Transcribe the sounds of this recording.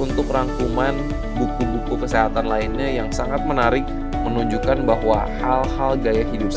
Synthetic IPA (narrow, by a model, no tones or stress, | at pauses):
unt̪ʊkraŋkuman | bukubukukəseɦat̪anlainɲajaŋsaŋat̪̚mənaɾɪk̚ | mənuɲd͡ʒukanbaɦwahalhalɡajaɦidup̚sa